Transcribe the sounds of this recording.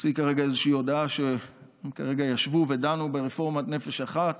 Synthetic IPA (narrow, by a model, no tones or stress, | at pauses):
sikaʁeɡaezeʃiio̞daaʃe | emkaʁe̞ɡajaʃvuve̞danubeʁefo̞ʁmatne̞feʃaχat̪